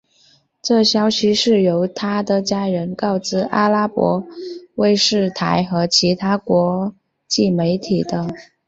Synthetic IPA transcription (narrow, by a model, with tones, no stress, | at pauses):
ʈ͡ʂɤ˥˩ɕjɑ˥ʊɕi˧˥ʂɻ̩˥˩jo˧˥ʊt̪ʰa˥d̪ə˨t͡ɕja˥ɻə˧˥nkɑ˥˩ʊt͡sɹ̩˥˩ʔa̰˥la˥pwɔ̰˧˥we˥˧ɪʂɻ̩˥˩t̪ʰa˧˥ɪxɤ˧˥t͡ɕʰi˧˥t̪ʰa˥kwɔ˧˥ | t͡ɕi˥˩me˧˥ɪt̪ʰi˨˩d̪ə˦